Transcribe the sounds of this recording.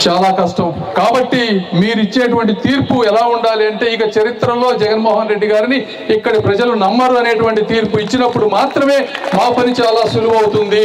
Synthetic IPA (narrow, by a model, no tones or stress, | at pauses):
t͡ʃaːlaːkɐʂʈɐmkaːbɐʈːimiːɾuit͡ʃːeːʈuʋɐɳʈit̪iːɾpuɛlaːuɳɖaːliɐɳʈe̞ːikɐt͡ʃɐɾit̪ɾɐmlo̞ːd͡ʒɛɡɐnmoːɦɐnɾe̞ɖːiɡaːɾini | ikːɐɽipɾɐd͡ʒɐlunɐmːɐɾuɐne̞ːʈuʋɐɳʈit̪iːɾpuit͡ʃːinɐpːuɽumaːt̪ɾɐme̞ːmaːpɐnit͡ʃaːlaːsuluʋɐwut̪und̪i